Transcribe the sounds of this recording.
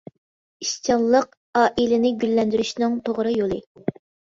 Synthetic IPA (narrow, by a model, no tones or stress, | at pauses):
iʃt͡ʃɑllˠːəq̚ | ɑːʔilɪnɪɡʲylːɛnd̪yɾyʃnɨŋt̪ʰoʁɾɨjolˠɨ